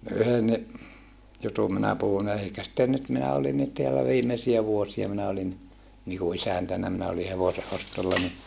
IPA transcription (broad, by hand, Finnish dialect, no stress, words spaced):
yhenːi jutum minæ puhun eikæ sĭtːe nyt minæ olinːit teælæ ʋiːmesiæ ʋuosiɑ minæ olinːi niku isæntænːæ minæ oli heʋose ʔostolːɑ ni